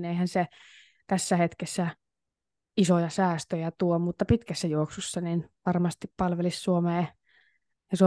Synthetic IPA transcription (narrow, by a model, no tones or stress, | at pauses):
neihænse | t̪æsːæhet̪kesːæ | isojɑsæːst̪øjæt̪uomut̪ːɑpit̪kæsːæjuoksusːɑninʋɑrmɑst̪ippɑlʋelissuomeː | jɑsuo